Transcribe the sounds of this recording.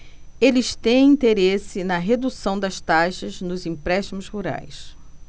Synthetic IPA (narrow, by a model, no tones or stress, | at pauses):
elɪʃt̪ẽj̃ĩnt̪eɾesɪnɐɦed̪usɐ̃w̃d̪ɐʃt̪aʃɐznʊzĩpɾɛʃt̪imʊzhuɾa̰js